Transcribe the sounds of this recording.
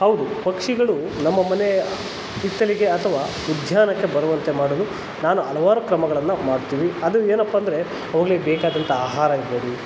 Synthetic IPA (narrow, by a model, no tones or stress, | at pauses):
ɦɐwd̪upɐkʂiɡɐɭu | nɐmːɐmɐne | it̪ːɐliɡe̞ɐt̪ʰɐʋaː | ud̪ʱjaːnɐkːe̞bɐɾɐʋɐnt̪e̞maːɽolu | naːnuɐlɐʋaːɾukɾɐmɐɡɐɭɐnːɐmaːɽt̪ːiːʋiɐd̪ueːnɐpːɐːnd̪ɐɾe̞ | ɐʋɐɡɐɭebɛːkaːd̪ɐnt̪ɐaːɦaːɾɐiɾboːd̪i